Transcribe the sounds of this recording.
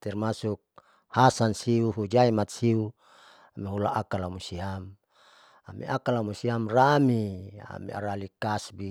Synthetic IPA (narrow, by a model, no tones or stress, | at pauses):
t̪ɛrmasuk̚ | hasansiuɦud͡ʒaimat̪̚siu | amiɦula̰ʔakalamusiam | amḭʔakalamusiamramia̰mḭa̰ɾalikasbi